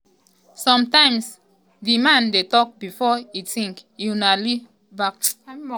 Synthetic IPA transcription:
sɔ̃mtãɪ̃ms | dimãndetɔk̚bifɔitʰĩŋkinali | bak̚t

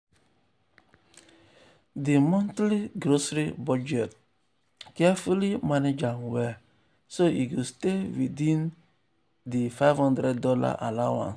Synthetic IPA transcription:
d̪imɔnt̪liɡɾosɾəbɔd͡ʒɛt̪̚ | kafulimaned͡ʒaŋwɛ | soiɡost̪evid̪in | d̪ifavhũnd̪ɾəd̪ɔla̰ʔalawã̰ns

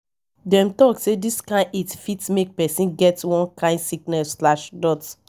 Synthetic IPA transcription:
dɛ̃mtɔksediskãɪ̃netfitmek̚pɛsĩnɡɛtwɔ̃nkʰãɪ̃ndsiknɛslaʃdɔt

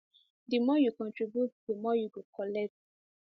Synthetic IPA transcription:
dəmɔjukɔ̃ntɹibjut̚dəmɔjuɡokʰɔlɛk̚t

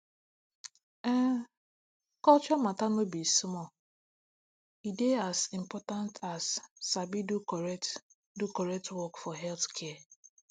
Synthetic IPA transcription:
ɛ̃ | kɔt͡ʃɔmatanobismɔ | ideasim̩pɔtãntʰasːabidukɔɾɛt | dukɔɾɛk̚twɔkfɔɦɛlθkʰɛa

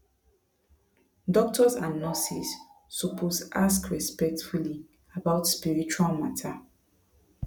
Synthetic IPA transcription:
dɔk̚tʰɔzãnːɔsisːɔpʰosʔaskɹɛspɛk̚tfuli | abaʊtspiɹit͡ʃualmatʰa

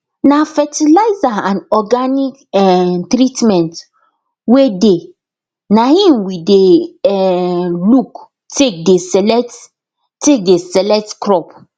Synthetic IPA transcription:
nafɛtilaɪzaãnɔɡanikɛtɾitmɛ̃nt | wede | nahĩmwideɛluk | tek̚desɛlɛt | tek̚desɛlɛk̚tkɹɔp

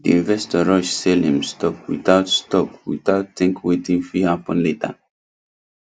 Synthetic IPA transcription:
diĩnvɛstɔɹɔʃsɛlĩmstʰɔkwḭθaʊtstɔkwḭθaʊtθɛ̃ŋkwetĩŋfɹihapɔ̃nleta̰

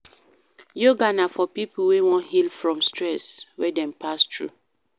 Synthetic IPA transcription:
joɡanafɔpipuwiwɔ̃nhilfɹɔ̃mstʰɹɛswɛdɛ̃mpʰastʰɹṵ

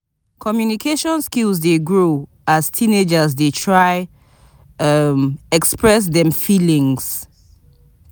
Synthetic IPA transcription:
kʰɔmjunikʰeʃɔ̃nskilzdeɡɹu | aztʰĩned͡ʒəzdetʰɹaɪ | mɛkspɹɛs̬ðɛ̃mfilĩŋs

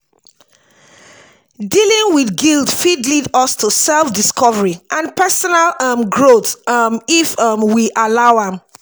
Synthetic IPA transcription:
dilĩŋwiθɡildfidlidʌstʰusɛlˠfdiskʰɔvəɹiʔãnpʰɛsɔnalʌmɡɹotmifʌmwiʔalaʊãm

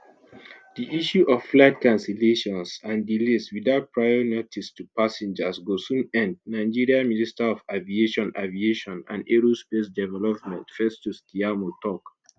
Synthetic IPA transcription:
diʔiʃuʔɔfflɛdkãnsɛleʃɔ̃nsãndiliswiðaʊt̚pʰɹajɔnotʰistupasɛ̃nd͡ʒəsɡosũnɛ̃nd̚nãɪd͡ʒiɹiaministaɔvavieʃɔ̃navieʃɔ̃nã̰ndeɹospesdɛvɛlɔp̚mɛ̃ntfɛstustiamotɔk

